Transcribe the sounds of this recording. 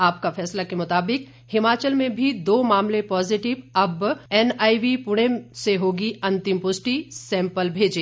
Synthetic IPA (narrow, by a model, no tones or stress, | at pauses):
aːpkafɛːslakemʊt̪aːbɪk | hɪmaːt͡ʃəlmẽbʱid̪oːmaːmlepɔːzɪʈɪʋɐbɛːnaːiʋipʊɽ̃eseɦoːɡiɐ̃nt̪ɪmpʊsʈisɛ̃ːmpəlbʱeːd͡ʒeː